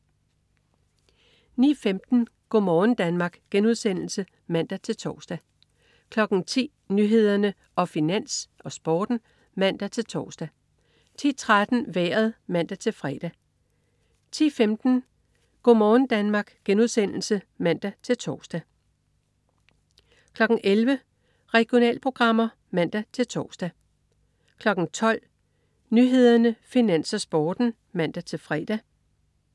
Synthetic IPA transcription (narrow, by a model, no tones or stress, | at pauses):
nḭːfemd̥n̩ | ɡ̥ɔ̰mɒːn̩d̥ænmɑ̈ːɡ̥ɡ̥enuð̞ˠsen̰l̩sə | mæn̰d̥æt͡sʰe̝lt͡sʰɒ̰ːsd̥æ | kʰlɒ̽ɡ̥n̩t͡sʰḭː | nyɦe̝ð̞̰ˠɐnə | ʔɒ̽finæn̰sʔɒ̽sb̥ɒ̰ːd̥n̩ | mæn̰d̥æt͡sʰe̝lt͡sʰɒ̰ːsd̥æ | t͡sʰḭːt͡sʰʁad̥n̩ʋeːɐð̞̩ˠmæn̰d̥æt͡sʰe̝lfʁɛːd̥æ | t͡sʰḭːfemd̥n̩ | ɡ̥omɒːn̩d̥ænmɑ̈ːɡ̥ɡ̥enuðˠsen̰l̩sə | mæn̰d̥æt͡sʰe̝lt͡sʰɒːsd̥æ | kʰlɒ̽ɡ̥ŋ̩ʔelʋə | ʁɛɡ̥jo̝nɛ̰ːlpʰʁo̝ɡ̥ʁɑ̈m̰ɐ | mæn̰d̥æt͡sʰe̝lt͡sʰɒ̰ːsd̥æ | kʰlɒ̽ɡ̥n̩t͡sʰɒ̽l̰ | nyɦe̝ð̞̰ˠɐnəfinæn̰sɐsb̥ɒːd̥n̩ | mæn̰d̥æt͡sʰe̝lfʁɛ̰ːd̥æ